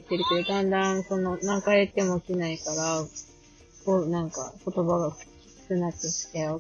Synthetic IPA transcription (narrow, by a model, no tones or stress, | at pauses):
t̪ːe̞ɾɯ̟ke̞d̪o̞d̪ãnd̪ãsõ̞nːonãŋkaet̪ːe̞mo̞kʲinaikaɾa | konãŋka̰ko̞t̪o̞baɡḁ | i̥kɯnat̪ːoɕi̥ke